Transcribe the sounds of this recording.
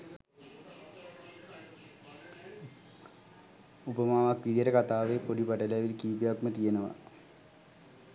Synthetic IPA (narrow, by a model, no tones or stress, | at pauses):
upəmaːʋakʋid̪ijeɾəkat̪aːʋepoɖipɐʈɐleʋilkiːpijakmət̪ijenəʋa̰